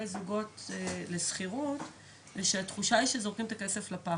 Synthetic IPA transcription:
ezuɡo̞tːlesχiʁut | veʃeatχuʃaiʃezo̞ʁkimt̪akeseflapa

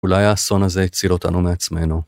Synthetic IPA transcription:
ulajaːso̞naze̞it͡silo̞t̪a̰numeat͡sme̞nu

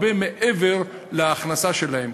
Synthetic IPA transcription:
bemeʔeveʁ | leaːχnasaʃe̞lahem

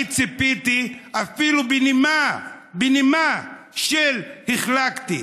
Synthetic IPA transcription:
t͡sipit̪iafilubinimabinima | ʃelhiχlakt̪i

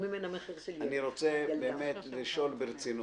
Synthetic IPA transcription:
mimenameχeʁaniʁo̞t͡sebeːmet̪liʃo̞lbeʁet͡sinu

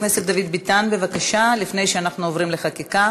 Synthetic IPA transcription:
nesetd̪avid̪bit̪anbe̞vakaʃalifne̞jʃeanaχnuovʁimle̞χakika

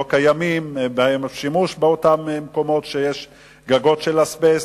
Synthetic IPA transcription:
okajamimbaemʃimuʃbeotammeko̞mo̞tʃejeʃ | ɡaɡo̞tʃelasbes

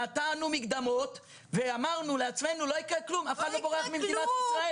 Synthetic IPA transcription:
at̪anumikd̪amo̞t̪ | veamaʁnuleat͡sme̞nulo̞ikʁeklumafalloboʁeaχmimd̪iat̪isʁae

